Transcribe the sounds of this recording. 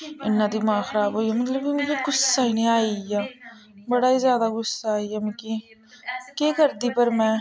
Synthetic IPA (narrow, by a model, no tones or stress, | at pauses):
ɪ̰nːat̪imaːxɐɾaːbɦoːijamɐt̪ləbimɪ̃kĩɡʊsːaːinĩaːijaː | bɐɽaːizjaːd̪aɡʊsːaːijamɪkĩː | keːkɐɾd̪ipɐɾmɛ̃ː